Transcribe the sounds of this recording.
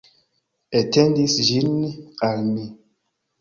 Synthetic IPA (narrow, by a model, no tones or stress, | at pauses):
ɛtendisʒinikalmi